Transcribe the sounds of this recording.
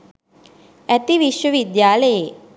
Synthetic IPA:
æt̪iʋiʃʋəʋid̪jaːləje

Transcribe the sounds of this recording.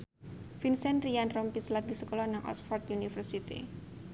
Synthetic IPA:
finsɛnɾianrɔmpislaɡisəkolɔnaŋʔɔ̰sfɔrt̪junifərsit̪ḭ

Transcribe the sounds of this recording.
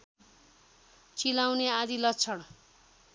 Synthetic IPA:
t͡silawnead̪ilʌtt͡sʰʌɽ

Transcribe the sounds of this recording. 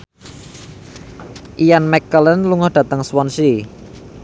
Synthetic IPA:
ʔijanmɛkːələnluŋʊhd̪̥a̤t̪əŋswɔnsi

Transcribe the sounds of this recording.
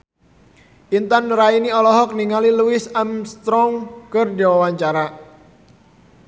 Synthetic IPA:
ʔint̪anrainiɔlɔɦɔk̚niŋaliluɪsamst̪ɾɔŋkərd͡ʒawawaɲt͡ʃaɾa

